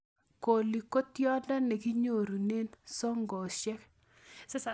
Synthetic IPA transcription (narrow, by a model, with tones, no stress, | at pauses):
ko˨li˨ko˦tjɔ˦ndɔ˦nɛ˨ki˦ɲo˦˨ɾu˨ne˦nsɔ˦ŋɡɔ˨ʃɛ˦k̚ | s